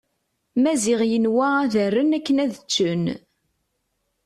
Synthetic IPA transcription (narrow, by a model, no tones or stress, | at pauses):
mæzɪʁjənwææðərːənækːənæðət͡ʃːən